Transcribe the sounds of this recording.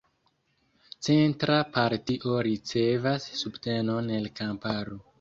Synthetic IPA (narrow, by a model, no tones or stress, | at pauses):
t͡se̞ntɾapaɾtiʔo̞ɾit͡se̞vasːubte̞no̞ne̞lkampaɾo